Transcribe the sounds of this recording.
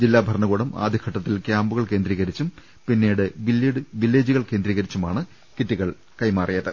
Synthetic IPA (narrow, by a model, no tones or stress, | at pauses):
d͡ʑilːaːbʱɐrɳɐɣuːɽɐma̰ːd̪ʱikʰɐʈːɐt̪ːilkʲjaːmbuɣɐɭke̞ːnd̪ɾiːɣɐɾit͡ɕːum | pinːeːɽɨʋiliɽɨʋilːeːd͡ʑuɣɐɭkeːnd̪ɾiːɣɐɾit͡ɕːumaːɳɨ | kitːiɣɐɭ | kɐjmaːrijɐðɨ